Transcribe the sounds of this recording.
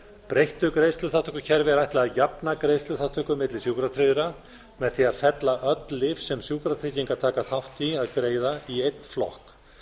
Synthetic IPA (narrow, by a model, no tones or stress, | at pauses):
pɾejht̪ʏkɾeːjst̪lʏθat̪ʰːʏkʏcʰɛɾvɪɛɾajht̪lɛajapnakɾeːjst̪lʏθḁt̪ʰʏkʏmɪt̪lɪsjuːkɾat̪ʰɾɪðɪɾa | mɛðθiaðfɛt̪laʔœt̪lɪfsɛmsjuːkɾat̪ʰɾɪciŋkat̪ʰaːkaθaht̪iaðkɾeːjðaiejt̪n̥flɔ̰hk